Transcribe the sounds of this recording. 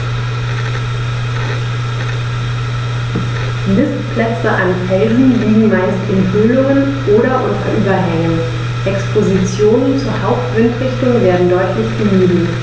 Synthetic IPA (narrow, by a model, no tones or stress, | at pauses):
mɪstpʰl̥ɛt͡səʔanfɛlzn̩liːɡŋ̩maɪstɪnhølʊŋən | ʔoːɾɐʔʊntʔyːbɐɦɛŋən | ʔɛkspʰozit͡sjoːnənt͡suːɐhaʊp̚tv̥ɪntʁɪçtʊŋveːɐdn̩dɔʏtʰlɪçbəmyːbl̩